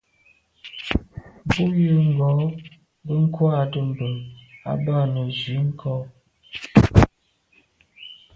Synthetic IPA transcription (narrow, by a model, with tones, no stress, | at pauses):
bu˦jə˦˨ŋ̩˨ɡɔ˨˦ | bə˦ŋ̩˦kwa˦˨tə˨m˨bə˨a̰˦ba˦˨nə˨zi˨˦ŋ̩˦kʰɔ˦